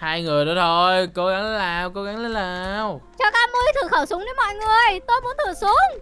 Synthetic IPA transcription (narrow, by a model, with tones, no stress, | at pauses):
haː˧jŋɨ˨˩əjnɔ˨˦t̪ʰo˧jko˨˦ɣa˨˦ŋlnlaː˨˩wko˨˧˦ɣa˨˦ŋlə˨˦nlaː˨˩˧wt͡ɕɔ˧kaː˨˦mɨ˧jt̪ʰɨ˨˩xəː˧˩sʊ˨˦ŋ͡mɗe˨˦mɔ̰˧˨jŋɨ˨˩əjt̪o˧jmu˨˦ənt̪ʰɨ˨˩su˨˦əŋ